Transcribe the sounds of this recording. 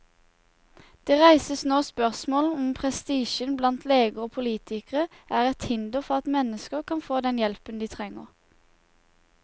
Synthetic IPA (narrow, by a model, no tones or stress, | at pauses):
d̪̥eːʁæɪsəsnoːspœʁsmoːln̩ɔmpʰʁɛst̪iːʃənblɑnt̪ʰleːɡəʁoːpʰʊliːt̪ʰɪkəʁə | ʔæːʁɛt̪hɪnd̪əfɔʁɑt̪mɛnəskəʁkʰɑnfoːd̪ɛnjɛlpənd̪iːt̪ʰʁɛŋːəʁ